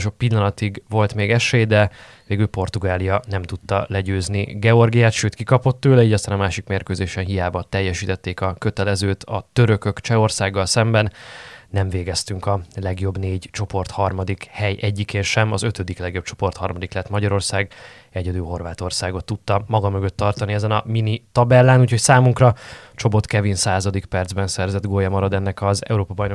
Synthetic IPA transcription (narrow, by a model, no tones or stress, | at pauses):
ʃo̞ppilːɒnɒt̪iɡvo̞lt̪meːɡɛʃeːjd̪ɛ | veːɡylpo̞rt̪uɡaːlijɒnɛmt̪ut̪ːɒ̰lɛɟøːzniɡɛo̞rɡijaːt̪ʃøːt̪kikɒpo̞t̪ːøːlɛiːɟɒst̪aːnɒmaːʃikmeːrkøːzeːʃɛnɦijaːbɒt̪ɛjːɛʃiːt̪ɛt̪ːeːkɒkøt̪ɛlɛzøːt̪ʰɒt̪øɾø̞kø̞kt͡ʃɛo̞rsaːɡːɒlsɛmbɛnːɛɱveːɡɛst̪yŋkɒlɛɡjo̞bneːɟt͡ʃo̞po̞rt̪hɒrmɒd̪ikhɛjʔɛɟːikeːnʃɛmɒzøt̪ød̪iklɛɡjo̞p̚t͡ʃo̞̥po̞rt̪hɒrmɒd̪iklɛt̪mɒɟɒɾo̞rsaːɡ | ɛɟɛd̪yːlɦo̞rvaːt̪o̞rsaːɡo̞t̪ːut̪ːɒmɒɡɒmø̞ɡøt̪ːɒrt̪ɒniɛzɛnɒminit̪ɒbɛlːaːnuːcho̞csaːmuŋkrɒt͡ʃo̞po̞t̪kɛvinsaːzɒd̪ikpɛrd̪zbɛnsɛrzɛd̪ɡoːjɛmɒɾɒd̪ɛnːɛkɒzɛ̰uɾoːpɒbɒjno